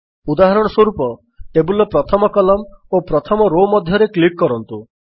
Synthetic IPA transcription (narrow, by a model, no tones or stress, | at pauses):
ud̪aɦaɾɔɽ̃ɔswɔɾupɔ | ʈebulɔpɾɔt̪ʰɔmɔkɔlɔmopɾɔt̪ʰɔmɔɾomɔd̪ʱjɔɾeklikːɔɾɔnt̪u